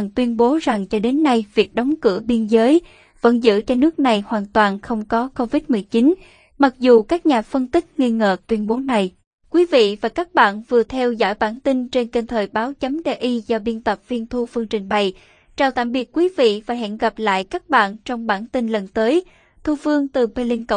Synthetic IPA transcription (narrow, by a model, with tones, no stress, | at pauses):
ŋt̪wi˧ənɓo˨˦za˨˩ŋt͡ɕɔ˧ɗe˨˦nːa˧jvi˨˩ək̚ɗɔ˨˦ŋ͡mkɨ̰˧˩əɓi˧ənzəː˨˦j | və̰˧˥nzɨ̰˧˥˨t͡ɕɔ˧nɨ˦˥ək̚na˨˩jhwaː˨˩nt̪waː˨˩nxə˧wŋ͡mkɔ˨˦ko˧vi˦˥t̚mɨ˨˩əjt͡ɕi˨˦n | ma˨˩k̚zu˨˩kaː˦˥k̚ɲaː˨˩fə˧nt̪ï˦˥k̟̚ŋi˧əŋə̰ː˧˨t̪wi˧ənɓo˨˦na˨˩j | kwi˨˦vḭ˧˨vaː˨˩kaː˦˥k̚ɓa̰ː˧˨nvɨ˨˩ət̪ʰɛ˧wzɔ̰ː˧˩jɓaː˧˩nt̪ï˧nt͡ɕe˧nke˧nt̪ʰəː˨˩jɓaː˨˦wt͡ɕə˨˦mɗe˧ʔi˧zɔ˧ɓi˧ənt̪ə˨˩p̚vi˧ənt̪ʰu˧fɨ˧əŋt͡ɕï˨˩ŋ̟ɓa˨˩j | t͡ɕaː˨˧˩wt̪a̰ː˧˨mɓi˨˩ət̚kwi˨˦vḭ˧˨faː˨˩jɦɛ̰˧˨nɣa˨˩p̚la̰ː˧˨jkaː˦˥k̚ɓa̰ː˧˨nt͡ɕɔ˧wŋ͡mɓaː˧˩nt̪i˧nlə˨˩nt̪əː˨˦j | t̪ʰu˧fɨ˧əŋt̪ɨ˨˩pe˧li˧ŋkə˧˨˩